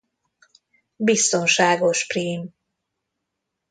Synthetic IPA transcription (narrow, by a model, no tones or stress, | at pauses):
bist̪o̞nʃaːɡo̞ʃpriːm